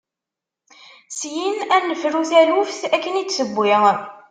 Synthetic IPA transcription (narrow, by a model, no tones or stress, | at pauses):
sjinænːəfɾuθælufθækːənit͡sːsəbʷːiʁ